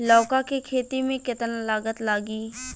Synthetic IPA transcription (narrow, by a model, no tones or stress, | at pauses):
lɔːkakekʰeːt̪imẽkɪt̪ənlaːɡət̪laːɡiː